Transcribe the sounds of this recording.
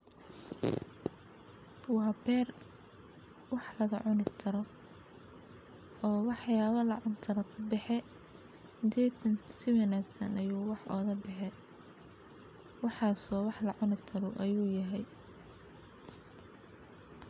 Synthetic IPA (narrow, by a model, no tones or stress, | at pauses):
wɑːbɛːr | wɑħlɐðɐʕʊnɪt̪ʰɐɾɔ | ɔːwɑħjaːβɐlɐʕʊnt̪ʰɐɾɐkʰɐbɛħɛ | d̪ʰɛːt̪ʰɐnsɪwɐnaːɡsɐ̰nɐjuːwɑħʔɔ̰ːðɐbɛħɛ | wɑħɑːsɔːwɑħlɐʕʊnɪt̪ʰɐɾɔʔɐjuːjɐɦɛj